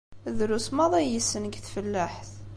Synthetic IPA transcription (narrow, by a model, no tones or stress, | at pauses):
ðɾusmæðˤɑjəsənɡθfəlːaħθ